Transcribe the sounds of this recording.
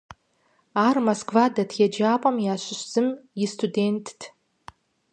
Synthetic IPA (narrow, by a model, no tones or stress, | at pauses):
armoskʰʼvadatʰjad͡ʒaːpʼamjaːʃʷɪʃʷz̥ɨmistʰude̞ntʰʼtʰ